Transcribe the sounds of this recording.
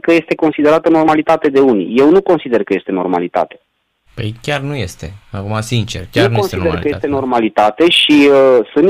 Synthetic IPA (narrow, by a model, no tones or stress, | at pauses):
kəje̞st̪e̞ko̞nsid̪e̞ɾat̪əno̞rmalit̪at̪e̞d̪e̞unḭje̞wnuko̞nsid̪e̞rkəje̞st̪e̞no̞̰rma̰lit̪a̰t̪e̞̥ | pejkʲarnujest̪ḛakumasint͡ʃḛrkʲjarnonsid̪ekkəjest̪eno̞rmalit̪at̪e̞ʃiəsɨn